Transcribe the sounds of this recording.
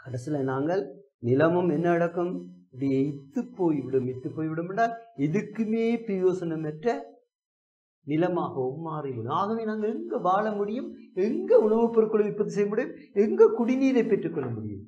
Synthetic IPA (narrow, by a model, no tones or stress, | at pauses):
kɐɽɐsɪlɐnaːŋɡɐɭ | nɪlɐmɐmɛnːɐɽɐkːɯmɪpɽɐjɐɪt̪ːɯpːoːjɪʋɪɽɯmɪt̪ːɯpːoːjɪʋɪɽɯmɛɳɖaːlɪðɯkːɯmeːpɪɾɪjoːsɐnɐmɛʈrɐ | nɪlɐmaːɣɐɔmːaːɾɪʋɪɽɯmaːɣɐʋeːnaːŋɡɐɭɛŋɡɐbaːɭɐmʊɽɪjɯmɛŋɡɐʊɳɐʋɯpːɐɾɯkːɯɭɐmɪpːɐðɯs̬ɛjːɐmʊɽɪjɯm | ɛŋɡɐkʊɽɪniːðɐɪpːɛʈrɯkːɔɭːɐmʊɽɪ̰jɯ̰m